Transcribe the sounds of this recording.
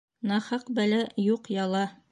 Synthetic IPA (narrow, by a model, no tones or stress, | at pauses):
nɑhɑqbælæjuqjɑlˠɑ